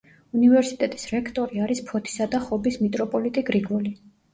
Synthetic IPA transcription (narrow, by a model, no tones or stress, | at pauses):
univɛɾsit̪ʼɛt̪ʼisɾɛkʰt̪ʼɔɾiaɾispʰɔt̪ʰi̥sad̪aχɔbismit̪ʼɾɔpʼɔlit̪ʼiɡɾiɡɔli